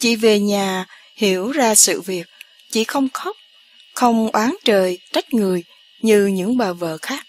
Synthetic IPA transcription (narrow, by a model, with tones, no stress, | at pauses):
t͡ɕḭ˧˩ve˨˩ɲaː˨˩ | hi˧˩əwzaː˧sɨ̰˧˨vi˨˩ək̚ | t͡ɕḭ˧˥xə˧wŋ͡mxə˦˥wk͡p̚ | xə˧wŋ͡mʔwaː˨˦nt͡ɕəː˨˩jt͡ɕa˦˥k̚ŋɨ˨˩əj | ɲɨ˧ɲɨ̰˧˥ŋɓaː˨˩və̰ː˧˨xaː˦˥k̚